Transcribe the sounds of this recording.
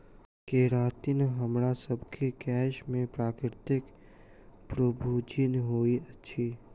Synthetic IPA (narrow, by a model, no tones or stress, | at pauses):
keɾaːt̪inɦəmɾasəbkʰekɛːʃmẽpɾaːkɾɾt̪ɪk | pɾəbʱud͡ʒinɦoːiɐtːʃʰiː